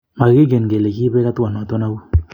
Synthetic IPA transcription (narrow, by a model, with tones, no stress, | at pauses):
ma˨ɣi˦ɡe˨nɡe˨le˨ki˦bɛ˦ka˦twa˨n˨a˨to˦na˦bu˦